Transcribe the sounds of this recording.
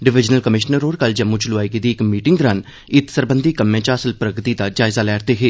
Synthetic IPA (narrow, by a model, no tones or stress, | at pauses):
ɖɪʋɪd͡ʒnəlkəmɪʃnəɾoːɾkɐld͡ʒɐmːut͡ʃlʊaːiked̪ikmiːʈɪ̃ŋɡd̪ɾaːn | ɪt̪səɾbə̃nd̪ʱikɐmːẽt͡ʃaːsəlpɾəɡt̪id̪ad͡ʒaːɪzalɛːɾt̪eɦeː